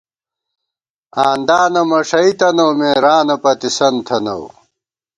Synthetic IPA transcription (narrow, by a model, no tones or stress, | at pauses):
aːnd̪aːnɐmɐʂɐit̪ɐnowmeːɾaːnɐpɐt̪isɐnt̪ʰɐno̰w